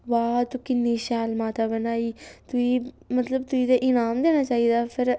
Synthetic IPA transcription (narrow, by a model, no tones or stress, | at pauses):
ʋaːt̪ukɪnːiːʃaːlmaːt̪aːbənaːiːt̪ʊiː | mət̪ləbt̪ʊiːd̪eːʔɪnaːmd̪eːnaːt͡ʃaːiːd̪aːpʰɪɾ